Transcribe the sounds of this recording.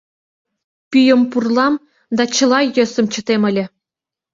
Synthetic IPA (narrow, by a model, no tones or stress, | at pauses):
pʲyjɤ̆mpurlˠɑm | d̪ɑt͡ɕɤ̆lˠɑjːø̆sɤ̆mt͡ɕɤ̆t̪emɘ̆lʲɘ̆